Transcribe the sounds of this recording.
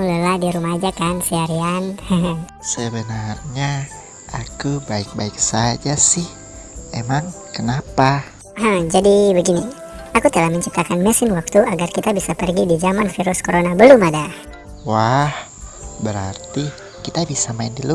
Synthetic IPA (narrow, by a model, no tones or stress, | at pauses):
ləladiɾumad͡ʒakansiaɾianhəɦə̃səbənarɲa | akubaɪk̚baɪksad͡ʒasɪh | emaŋ | kənapa | ɦə̃d͡ʒadibəɡini | akut̪əlahməɲt͡ʃip̚t̪akanməsɪnwak̚t̪uʔaɡarkit̪abisapərɡidid͡ʒamanfiɾuskoɾonabəlumadah | wah | bəɾart̪i | kit̪abisamaɪndilu